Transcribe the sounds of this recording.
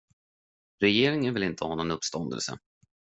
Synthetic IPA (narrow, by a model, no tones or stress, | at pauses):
ɾɛjeːɾɪŋənvɪlɪnt̪ʰəhɑːnɔnɵpːst̪ɔnd̪ə̰lsə̰